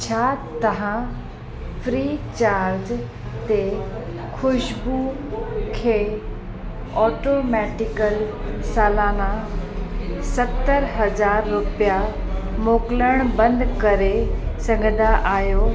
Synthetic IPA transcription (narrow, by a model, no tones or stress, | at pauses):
t͡ɕʰaːt̪ɐʋã | fɾiːt͡ɕaːɾd͡ʑ | t̪e | xʰʊʃbu | kʰeː | ɔːʈomɛːʈɪkəlsaːlaːna | sɐt̪ːəɾɦɐzaːɾːʊpijamoːkləɽ̃bɐ̃nd̪kɐɾesɐ̃ŋɡʱə̃nd̪aʔaːjoː